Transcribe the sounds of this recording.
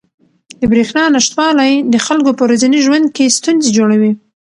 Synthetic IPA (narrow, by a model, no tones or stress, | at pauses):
d̪əbɾexnɑnaʃt̪wɑlajd̪əxalkopəwɾazaniʒwand̪̚kest̪unzed͡ʒoɽawi